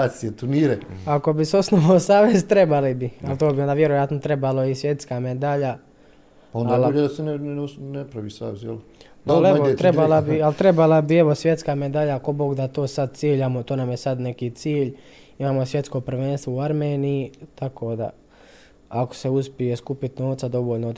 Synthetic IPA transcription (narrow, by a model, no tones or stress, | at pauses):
sijet̪uɾniːɾeako̞biseo̞snoʋaosaːʋe̞zt̪ɾe̞balibialt̪oːbiond̪aːʋje̞ɾojat̪not̪ɾe̞baloisje̞t̪skamed̪aʎa | ond̪aliʎed̪asenesnepɾaʋisaːʋezjel | aleoɾebalabialt̪ɾe̞balabieʋo̞sʋje̞t̪skaːme̞d̪aʎakoboɡd̪at̪o̞ːsad̪̚t̪jiːʎamot̪oːnamjesad̪ne̞kit̪siːʎ | imaːmo̞sʋjet̪sko̞pr̩ʋeːnst̪ʋouaɾmeːnijit̪akʰo̞ːd̪a̰ | ako̥seuspijeskupit̪no̞ːʋt̪sad̪o̞ʋoːʎno